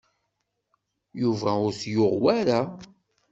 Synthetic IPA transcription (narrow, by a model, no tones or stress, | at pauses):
juvæʊɾsjoʁwaɾa